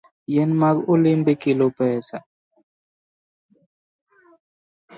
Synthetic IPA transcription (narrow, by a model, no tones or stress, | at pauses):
jɛnmaɡulimbekilopɛːsa